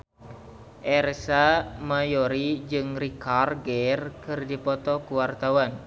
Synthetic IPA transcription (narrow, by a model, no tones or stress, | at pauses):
ʔɛrsamajoɾid͡ʒɨŋrikarɡɛrkɨrdipɔt̪ɔkuwart̪awan